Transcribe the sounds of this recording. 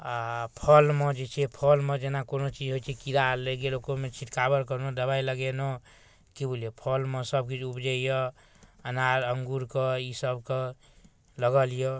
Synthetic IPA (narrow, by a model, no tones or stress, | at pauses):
apʰəlmed͡ʒet͡ʃʰɛpʰɔlmẽd͡ʒenakonot͡ʃid͡ʒɦojt͡ʃʰɛkid̪aleɡelokomet͡ʃʰit̪kabəɾkəɾnud̪əbajləɡenɔ | kibolijepʰɔlmesəb̚kid͡ʒubd͡ʒəjɔ | ənaɾəŋɡuɾkeisəbke | ləɡəlijɔ